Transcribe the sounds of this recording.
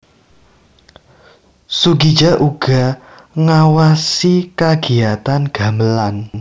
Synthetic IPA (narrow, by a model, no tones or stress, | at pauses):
suɡi̥d͡ʒa̤ʔuɡ̥a̤ | ŋawasikaɡ̥i̤at̪anɡ̥a̤məlan